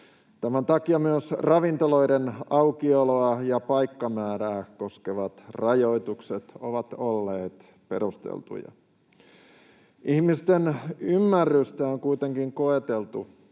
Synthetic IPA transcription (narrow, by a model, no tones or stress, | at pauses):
t̪æmænt̪ɑkiɑmyøsrɑʋint̪olo̞idenɑwkioloɑjɑpɑjkːɑmæːɾæːko̞skeʋɑt̪rɑjo̞it̪ukset̪o̰ʋɑt̪olːeːt̪ | pe̞̰ɾust̪ḛlt̪ṵjɑ̰ | ʔihmist̪enymːærːyst̪æoŋkuit̪eŋkiŋkoet̪elt̪ṵ